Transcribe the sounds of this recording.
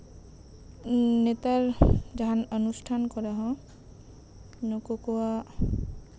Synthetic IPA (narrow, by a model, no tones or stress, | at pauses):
net̪aɹd͡ʒaɦanɔnusʈʰankɔɹaɦɔ̃ | nɔkokɔwa